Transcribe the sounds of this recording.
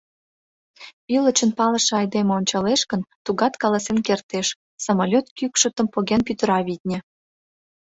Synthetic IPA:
pilə̆t͡ɕənpɑlə̆ʃeɑjd̪emeonʲt͡ɕɑleʃkənt̪uɣɑt̪kɑlɑsenkert̪eʃ | sɑmolʲot̪kykʃət̪ə̆mpoɣenpyt̪əɾɑβʲit̪̚ʲnʲĕ

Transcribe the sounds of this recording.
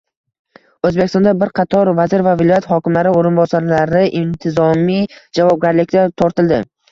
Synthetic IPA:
ɵzbekʲɪst̪ɒnd̪abɪɾqʰɑt̪ʰɒɾvazɪɾvavɪlˠɒjat̪hɒkʲɪmlaɾɪoɾɪnbɒsaɾlaɾɪʔɪnt̪ʰɪzɒmijd͡ʒavɒb̚ɡʲaɾlɪk̚ʲd̪at̪ʰɒɾt̪ɪld̪ɪ

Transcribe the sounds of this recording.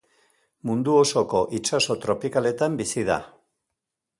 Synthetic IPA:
mund̪uo̞so̞ko̞ʔit͡ʃaso̞t̪ɾo̞pikale̞t̪ambisiða̰

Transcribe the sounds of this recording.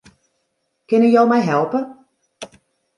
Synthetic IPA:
kɪnəjowmɛjɦɛlˠpə

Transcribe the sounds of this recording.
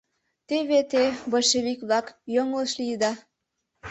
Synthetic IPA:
t̪eβet̪eboʃeβikβlɑkjoŋləʃliəd̪ɑ

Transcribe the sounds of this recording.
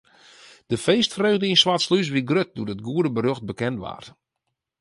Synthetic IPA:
d̥əfeːstfrøːdəinswatslys̬ʋiɡrøt̚duəət̚ɡuədəbəɾøxt̚bəkɛntʋa̰r

